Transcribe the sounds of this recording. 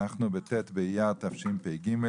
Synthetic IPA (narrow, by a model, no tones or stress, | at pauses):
aχnubet̪et̪bejat̪afʃimpejɡime